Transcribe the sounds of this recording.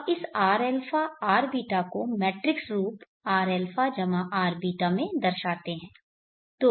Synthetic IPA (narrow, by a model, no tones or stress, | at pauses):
ɪsaːɾɛːlfaaːɾbiːʈakomɛːʈɾɪksɾuːp | aːɾɛːlfʰad͡ʒɐmãʔaːɾbiːʈamẽd̪ɐɾʃaːt̪eɦɛ̃ː | t̪oː